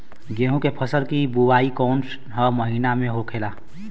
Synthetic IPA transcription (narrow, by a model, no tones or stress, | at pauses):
ɡeːɦũkepʰəsəlkibuwaːikɔːnʈ | ɦəməɦiːnamẽɦokʰeːlaː